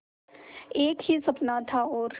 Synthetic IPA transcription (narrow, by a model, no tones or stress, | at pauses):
eːkhisɐpnat̪ʰaɔːɾ